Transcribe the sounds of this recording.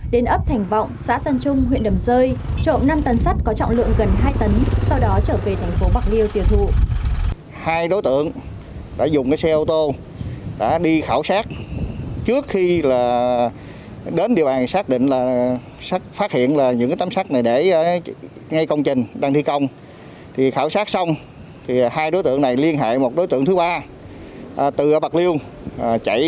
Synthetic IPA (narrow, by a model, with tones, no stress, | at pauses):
ɗe˨˦nʔə˦˥p̚t̪ʰɛ˨˩jŋ̟vɔ̰˧˨wŋ͡msa̰ː˧˥t̪ə˧˩nt͡ɕʊ˧ŋ͡mɦwḭ˧˨ənɗə˨˩mzəː˧jt͡ɕo̰˧˨nna˧mt̪ə˨˦nsa˦˥k̚kɔ˨˦t͡ɕɔ̰˧˨ŋ͡mlɨ̰˧˨əŋɣə˨˩nɦaː˧jt̪ə˨˦nsa˧wɗɔ˨˦t͡ɕəː˧˩ve˨˩t̪ʰɛ˨˩jŋ̟fo˨˦ɓaː˦˥k̚li˧əwt̪i˨˩əwt̪ʰṵ˧˨ | haː˧jɗo˨˦jt̪ɨ̰˧˨əŋ | ɗa̰ː˧˥zʊ˨˩ŋ͡mkaː˨˦sɛ˧ʔo˧wt̪o˧ | ɗa̰ː˧˥ɗi˧xaː˧˩wsaː˦˥k̚t͡ɕɨ˦˥ək̚xi˧laː˨˩ | ɗe˨˦nɗi˨˩əwɓaː˨˩nsaː˦˥k̚ɗḭ˧˨ŋ̟laː˨˩ | sa˦˥k̚faː˦˥t̚hḭ˧˨ənlaː˨˩ɲɨ̰˧˥ŋkaː˨˦t̪aː˨˦msaː˦˥k̚na˨˩jɗe˧˩˧ | ŋa˧jkə˧wŋ͡mt͡ɕï˨˩ŋ̟ɗaː˧ŋt̪ʰi˧kə˧wŋ͡m | t̪ʰi˨˩xaː˧˩wsaː˦˥k̚sa˧wŋ͡m | t̪ʰi˨˩haː˧jɗo˨˦jt̪ɨ̰˧˨əŋna˨˩jli˧ənɦḛː˧˨jmo˨˩t̚ɗo˨˦jt̪ɨ̰˧˨əŋt̪ʰɓaː˧˨˩ | t̪ɨ˨˩ʔɓa˨˩k̚li˧əw | t͡ɕa̰˧˩j